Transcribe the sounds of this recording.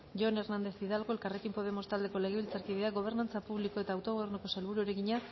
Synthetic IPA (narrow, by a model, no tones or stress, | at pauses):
ʝone̞ɾnand̪e̞θβiðalɣo̞e̞lkare̞kimpo̞ð̞e̞mo̞st̪ald̪e̞ko̞le̞ɣeilt͡saɾkiðiaɡo̞β̞e̞ɾnant͡sapuβliko̞e̞t̪aːwt̪o̞ɣoβe̞rnuko̞selβuɾueɾe̞ɣiɲa